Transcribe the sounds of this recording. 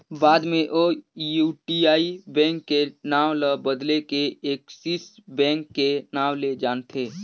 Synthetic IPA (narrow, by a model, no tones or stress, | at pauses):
baːd̪mẽʔojuːʈiaːibɛ̃ːŋkːenaːʋləbəd̪lekeeːksisbɛ̃ːŋkːenaːwled͡ʒaːnt̪ʰeː